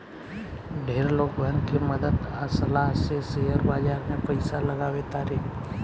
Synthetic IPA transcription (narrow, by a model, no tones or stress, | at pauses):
ɖʱeɾlokʋankʰeməd̪əd̪asəlaɦsesejəɾbad͡ʒaɾnepəjsaləɡaʋet̪aɾik